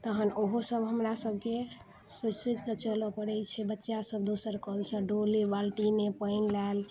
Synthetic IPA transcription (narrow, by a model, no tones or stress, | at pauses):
t̪əɦənoɦosəbɦəmɾasəb̚ke | sət͡ʃset͡ʃkət͡ʃəlɔpəɾɛjt͡ʃʰɛbətːʃjasəb̚d̪osəɾkəlsə̃ɖolebalʈinepəjnlal